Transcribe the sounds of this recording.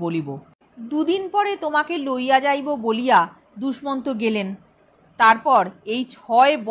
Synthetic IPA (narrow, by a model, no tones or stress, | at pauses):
bolibo | d̪ud̪inpɔɾet̪omakelojad͡ʑajbobolija | d̪uʃmont̪oɡelen | t̪aɾpɔɾejt͡ɕʰɔeb